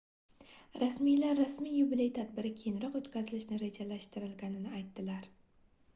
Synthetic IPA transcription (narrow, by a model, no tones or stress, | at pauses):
ɾasmijlaɾːasmijːʊbɪlejt̪ʰad̪bɪɾɪkʲʰejɪnɾɒqot̪kʲazɪlɪʃnɪɾe̞d͡ʒalaʃt̪ɪɾɪlɡʲanɪnɪajt̪ːɪlaɾ